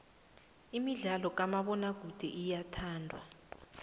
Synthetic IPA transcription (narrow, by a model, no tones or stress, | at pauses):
imiɮalɔk̬amaɓɔnaɡ̥ʱud̥ʱɛʔijatʰaːndʱwa̰